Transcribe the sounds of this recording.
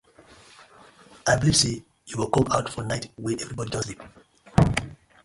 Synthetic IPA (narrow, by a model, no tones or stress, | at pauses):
ʔaɪbiliv̥se | juwilkɔ̃maʊtfɔnaɪtwiðɛvɹibɔdiɔslip